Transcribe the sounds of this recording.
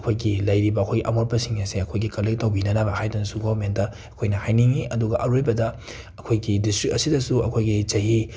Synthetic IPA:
ɐkʰojɡilɐjɾibɐɐkʰojɡiʔɐmoɾpɐsiŋjɐseɐkʰojɡikɐlek̚tɐwbinɐnɐbɐhajdɐnɐsuɡobɐɾmentɐːkʰojnɐhajniŋiɐduɡɐʔɐɾojbɐdɐ | ɐkʰojɡidistɾik̚ɐsidɐsuɐ̰kʰojɡit͡ʃɐɦi

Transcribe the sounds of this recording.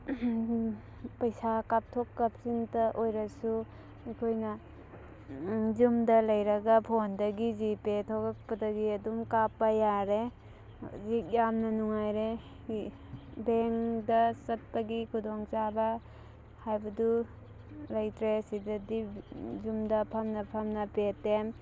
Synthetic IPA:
pɐjsakap̚tʰokːap̚sintɐʔojɾɐsu | ɐjkʰojnɐ | zumdɐlɐjɾɐɡapʰondɐɡizipetʰoɡak̚pɐdɐɡiɐdumkapːɐjaɾe | zik̚jamnɐnuŋajɾe | beŋdɐsɐt̚pɐɡikʰudɔŋt͡ʃabɐ | hajbɐdu | lajtɾesidɐdizumdɐpʰamnɐpʰamnɐpetem

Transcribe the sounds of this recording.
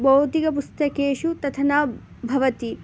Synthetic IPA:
bɐwt̪ikɐpust̪ɐkeːʃut̪ɐt̪ʰɐna | bʱɐʋɐt̪i

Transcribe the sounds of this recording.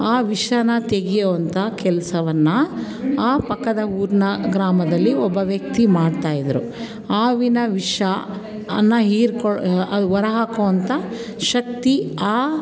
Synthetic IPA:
aːʋiʂɐnɐt̪eɡijoʋɐnt̪ɐkɛlɐsɐʋɐnːɐ | aːpɐkːɐd̪ɐuːɾnɐɡɾaːmɐd̪ɐlːiɔbːɐʋjɐk̚t̪imaːɖt̪aːjid̪ɐɾṵ | aːʋinɐʋiʂɐ | ɐnːɐɦiːɾkɔɐʋɐɾɐɦaːkoʋɐnt̪ɐ | ʃɐk̚t̪iaː

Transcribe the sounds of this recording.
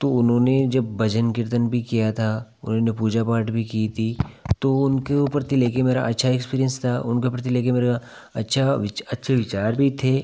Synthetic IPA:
t̪oʊnɦõːned͡ʒɐbːɐd͡ʒənkɪɾt̪ənbʱikijat̪ʰa | ʊ̰nɦõːnepuːd͡ʒapaːɾʈbʱikit̪ʰit̪oʊnkeupəɾt̪ʰileːkemeːɾa̰ʔɐtːʃʰaekspiːɾijənst̪ʰaʊnkepɾt̪ileːkemeːɾa | ɐtːʃʰaʋɪɐtːʃʰeʋɪt͡ʃaːɾbʱit̪ʰeː

